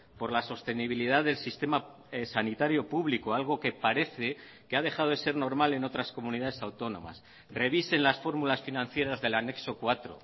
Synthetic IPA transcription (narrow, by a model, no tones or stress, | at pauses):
po̞ɾlaso̞st̪e̞niβ̞iliðaððe̞lsist̪e̞ma | sanit̪aɾjo̞puβlikoalɣ̞o̞ke̞paɾe̞θe̞ | keaðe̞xaðo̞ðe̞se̞ɾno̞ɾmale̞no̞t̪ɾasko̞mũniðaðe̞sawt̪o̞nõ̞̰ma̰s | re̞β̞ise̞nlasfo̞ɾmulasfinãn̟θje̞ɾazðe̞lane̞kso̞kwat̪ɾo̞̰